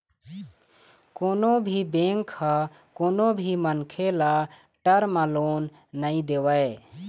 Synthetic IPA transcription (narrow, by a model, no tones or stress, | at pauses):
koːnobʱiːbẽːŋkʰːa | koːnobʱiːmənkʰelaː | ʈəɾmaloːnː | əĩd̪eːʋəe